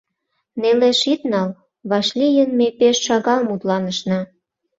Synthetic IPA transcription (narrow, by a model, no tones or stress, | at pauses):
neleʃit̪nɑl | βɑʃlʲijənmepeʃːɑɣɑlmut̪lɑnə̆ʃnɑ